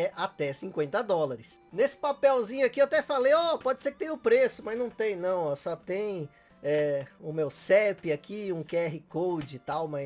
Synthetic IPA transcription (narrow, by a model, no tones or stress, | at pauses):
ɛʔat̪ɛsĩkwẽnt̪ɐd̪ɔlaɾɪsnesɪ̥papɛwzĩɲʊakiewat̪ɛfalejɔpɔd͡ʒɪseɾkɪ̥t̪ẽj̃ʊpɾesʊmɐznɐ̃w̃t̪ẽj̃nɐ̃w̃ɔsɔt̪ẽj̃ | ɛʊmewsɛpɪakiũkeɛɦɪkowd͡ʒɪt̪awmɐ